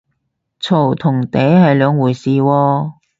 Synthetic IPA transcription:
t͡sʰo˨˩wt̪ʰʊ˨˩ŋt̪e˨˥jhɐ˨jlœː˨˧ŋwuː˨˩jsiː˨wɔː˧

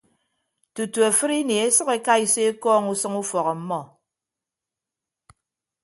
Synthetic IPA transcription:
tu˨tu˨a˨fɨ˦ɾi˦ne˨e˦sɨ˦ke˦ka˦i˨se˦kɔː˦ŋu˦sɨ˦ŋu˦fɔ˨ɣɔ˨m̩˦mɔ˦

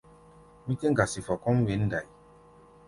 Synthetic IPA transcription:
mĩ˦ke˦ŋ˦ɡa˨si˨fɔ˨kɔ̃˦m̩˦we˨˦n̩˦da˨i˨

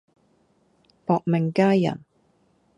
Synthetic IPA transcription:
pɔː˨k̚mɪ˨˩ŋkaː˥jjɐ̰˨˩n

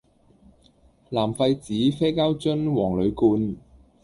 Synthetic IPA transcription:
laː˨˩mfɐ˧jt͡siː˨˥fe˥jkaː˥wt͡ʃɵ˥nwɔː˨˩ŋlɵ˨˧ɥkuː˧n

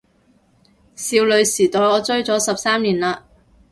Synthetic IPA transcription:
siː˧wlɵ˨˧ɥsiː˨˩t̪ɔː˨jɔː˨˧t͡sɵ˥ɥt͡sɔː˨˥sɐ˨p̚saː˥mliː˨˩nlaː˧

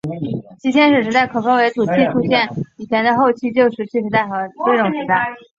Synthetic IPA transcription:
t͡ɕʰi˧˥t̪jɛ˥nʂ̬ɻ̩˥˩ʂɻ̩˧˥t̪a˥˩ɪkʰɤ˨˩fɑ˥ŋwe˧˥ɪt͡su˨˩t͡ɕ̪ʰi˥˩ʈ͡ʂʰu˥ɕjɛ˥˩ni˨˩t͡ɕʰjɛ˧˥nd̪ə˧xo˥˧ʊt͡ɕʰi˥˧t͡ɕjo˥˧ʊʂɻ̩˥˩t͡ɕʰi˥˩ʂɻ̩˧˥t̪a˥˩ɪxɤ˧˥ʈ͡ʂɤ˥˩ʈ͡ʂʊ˨˩ŋʂɻ̩˧˥t̪a˥˩ɪ

